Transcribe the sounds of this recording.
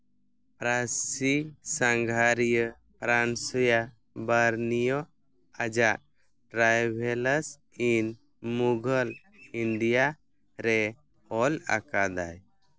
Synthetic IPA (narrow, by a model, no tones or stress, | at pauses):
pɾasisaŋɡʱaɾijə | pɾansɔja | baɾnijɔ | ad͡ʒaʔ | ʈɾajbʱɛləs | in | muɡʱəl | ind̪ija | ɾɛ | ɔla̰kad̪a̰j